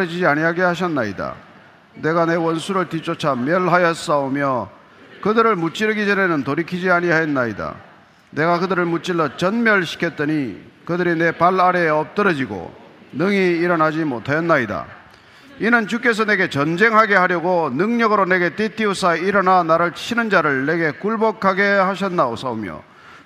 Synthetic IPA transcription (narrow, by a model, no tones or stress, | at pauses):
ɯd͡ʑid͡ʑiaɲiɦaɡehaɕ̬ʰʌnːaida̰ | ne̞ɡane̞wʌnsʰuɾɯɭtit͡ɕ͈ot͡ɕʰamjʌɭɦajʌs͈aomjʌ | kɯdɯɾɯɭmut͡ɕ͈iɾɯɡid͡ʑʌnenɯntoɾikʰid͡ʑiaɲiɦajʌnːaida̰ | ne̞ɡakɯdɯɾɯɭmut͡ɕ͈iɭːʌt͡ɕʌnmjʌɭɕʰi̥kʰʌt̚t͈ʌɲi | kɯdɯɾine̞paɭaɾeʌp̚t͈ɯɾʌd͡ʑiɡo̰ | nɯŋiːɾʌnad͡ʑimotʰajʌnːaida̰ | inɯnt͡ɕuk͈e̞s̬ʰʌne̞ɡe̞t͡ɕʌnd͡ʑe̞ŋɦaɡe̞haɾjʌɡonɯŋɲʌɡɯɾone̞ɡe̞t͈etʰiusʰaiɾʌnanaɾɯɭt͡ɕʰinɯnd͡ʑaɾɯɭne̞ɡe̞kuɭbʌkʰaɡe̞haɕʰʌnːaos͈aumjʌ̰